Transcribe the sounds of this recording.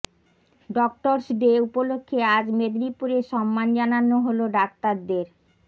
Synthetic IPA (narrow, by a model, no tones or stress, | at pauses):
ɖɔk̚ʈoɾsɖeupolokʰːead͡ʑmed̪ɾipuɾeʃɔmːand͡ʑananːoɦoloɖak̚t̪aɾd̪eɾ